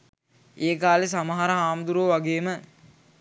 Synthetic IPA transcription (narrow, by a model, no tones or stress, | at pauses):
eːkaːles̬aməɦaɾəɦaːmd̪uɾoːʋaɡeːmə